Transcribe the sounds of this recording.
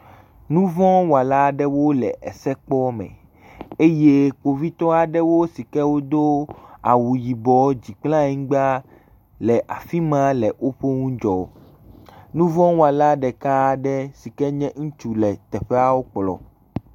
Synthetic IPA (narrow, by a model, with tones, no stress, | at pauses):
nũ˦vɔ̃˦wa˨la˦ɖɛ˦wo˦lɛ˨ʔɛ˨sɛ˦k͡pɔ˦mɛ̰̃˨ | e˦je˦k͡po˨vi˦t̪ɔ˦a˨ɖɛ˦wo˦si˨kɛ˦wo˦d̪o˦a̰˨wu˨ji˨bɔ˨d͡ʑi˨k͡plã˦ɛ˦ŋ̩˦ɡ͡ba˦ | lɛ˨ʔa˨fi˦mã˦lɛ˨ʔo˦ɸo˦ŋũ˦d͡ʒɔ˨ | nũ˦vɔ̃˦wa˨la˦ɖɛ˨ka˦ɖɛ˦si˨kɛ˦ɲɛ̃˦ŋũ˦t͡ʃu˦lɛ˨t̪ɛ˨ɸɛ˦a˦wo˦k͡plɔ̰˨